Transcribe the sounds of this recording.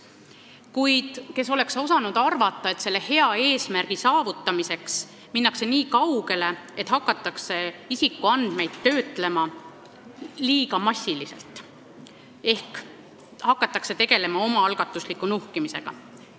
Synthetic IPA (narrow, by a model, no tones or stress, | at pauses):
kujd̪̥ke̞s̬o̞le̞kso̞sɑnud̪̥ɑrvɑt̪ˑːɑe̞t̪se̞lːe̞he̞ɑe̞ːsmærɡ̥isɑːvut̪ːˑɑmise̞ks | minːɑkse̞niːkɑwɡe̞le̞et̪hɑkːˑɑt̪ːˑɑkse̞isikːˑuɑnd̪̥me̞jd̪̥̚t̪ːø̞ːt̪ˑle̞mɑ | liːɡɑmɑsʲːilise̞̰lt̪ˑ | e̞hk | hɑkːˑɑt̪ːˑɑkse̞t̪e̞ɡ̥e̞le̞mɑo̞mɑɑlɡ̥ɑt̪ːˑuslikːˑunuhkimise̞ɡ̥ɑ̰